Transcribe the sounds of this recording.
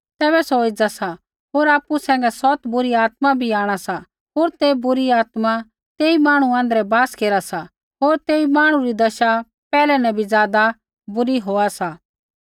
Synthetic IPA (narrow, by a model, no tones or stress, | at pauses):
t̪ɛːβɛsoɪd͡zasa | ɦoːɾaːpːusɛ̃ːŋ̆ɡɛsɔt̪bʊɾiaːt̪mabʱiaːɽ̃asa | ɦoːɾt̪ebʊɾiaːt̪ma | t̪eːimaːɽ̃uãːnd̪əɾɛbaːskeːɾasa | ɦoːɾt̪eːimaːɽ̃ũɾid̪ɐʃa | pɛːlɛnɛbʱid͡zjaːd̪a | bʊɾiɦoːasa